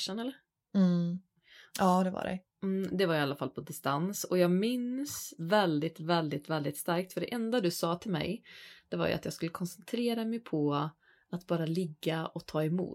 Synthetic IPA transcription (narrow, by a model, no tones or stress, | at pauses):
ʂənɛlːəɾ̩ | ɑːd̪ɛva̰ɖɛ̰ | m̩ːd̪ɛvaɾjalːafalːpʰɔd̪ɪst̪ansɔjɑːɡmɪnsvɛld̪ɪt̪vɛld̪ɪt̪vɛld̪ɪt̪st̪aɾk̚t̪fœɖɛʔɛnd̪ad̪ɵsɑːt̪ʰɪlmɛ̰jd̪̥ɛva̰ɾjɵ̰ʔa̰t̪jɑːɡskɵlːəkʰɔnsɛnt̪ʰɾeːɾamɛjpʰɔ | at̪bɑːɾalɪɡːaɔt̪ʰɑːɛmṵː